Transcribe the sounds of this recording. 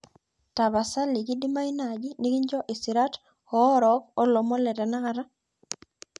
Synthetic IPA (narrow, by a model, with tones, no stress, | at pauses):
ta˨βa˨sa˦li˨ɡi˦di˦ma˦i˦nad͡ʒi˦ni˦ki˦ɲd͡ʒɔ˦ʔi˨si˨ɾa˦t | ɔ˨˦ɾɔkɔ˦lɔ˨mɔ˦lɛ˨tɛ˨na˦kaɾa˦